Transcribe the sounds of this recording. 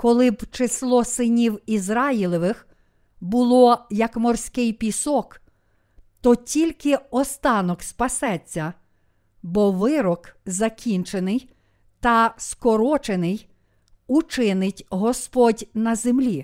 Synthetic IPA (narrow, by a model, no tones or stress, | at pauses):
kɔlˠɪbt͡ʃeslˠɔsɪnʲiwizɾɑjilˠɪʋɪx | bʊlˠɔjɐkmɔrsʲkɪjpʲisɔk | t̪ɔtʲilʲkɪɔst̪ɑnɔkspɐsɛt͡sʲːɐ | bɔʋɪɾɔkzɐkʲinʲt͡ʃenɪj | t̪ɐskɔɾɔt͡ʃenɪj | ut͡ʃɪnɪtʲɦɔspɔdʲnɐzemlʲi